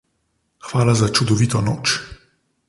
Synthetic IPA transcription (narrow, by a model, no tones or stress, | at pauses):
xʋaːlazat͡ʃud̪ɔʋiːt̪ɔnoːt͡ʃ